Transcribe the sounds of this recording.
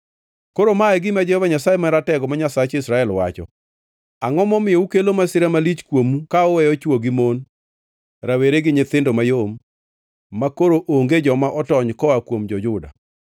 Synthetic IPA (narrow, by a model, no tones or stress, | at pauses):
koɾomaɛɡɪmad͡ʒɛhɔvaɲasajemaɾatɛɡɔmaɲasat͡ʃɪsɾaɛlwa̰t͡ʃɔ̰ | aŋɔmɔmɪjoukelomasɪɾamalit͡ʃkwomukaɔwɛjɔt͡ʃwoɡimon | ɾaweɾeɡɪɲɪt̪ɪndomajomː | akoɾoʔoŋɡed͡ʒɔmaʔɔtɔɲkɔakwomd͡ʒɔd͡ʒʊda̰